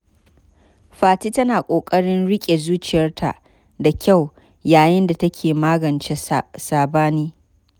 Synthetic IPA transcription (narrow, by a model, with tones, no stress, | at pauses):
ɸaː˨tiː˦tɐ˦naː˨kʷʼoː˨kʼɐ˦ɽɪ˦nɽɪ˦kʲʼe˨zuː˦t͡ʃɪ˨jɐ˦rtʰa̰˨ʔ | da˨kʲʰa˦˨w | jaː˨jɪ˦nda˨tɐ˦kʲʰeː˨maː˦ɡɐ˨nt͡ʃe˦saː˨baː˦niː˦